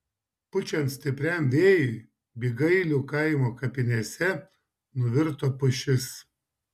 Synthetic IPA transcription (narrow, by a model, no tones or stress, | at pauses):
pʊt͡ʃʲɛnsʲt̪ʲɪpʲɾʲɛmʲʋʲeːjɪ | bʲiːɡɐɪlʲukɐɪmoːkɐpʲɪnʲɛsʲɛ | nʊʋʲɪɾt̪oːpʊʃʲɪs